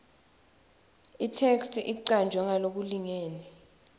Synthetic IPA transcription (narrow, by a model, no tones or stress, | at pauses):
itʰɛkstʔiǀand͡ʒʱwɛŋalok̬uliŋeːni